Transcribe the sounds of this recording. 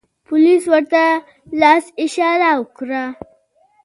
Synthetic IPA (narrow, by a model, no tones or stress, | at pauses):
pʊliswəɾt̪a | lɑsɪʃɑɾawəkɾa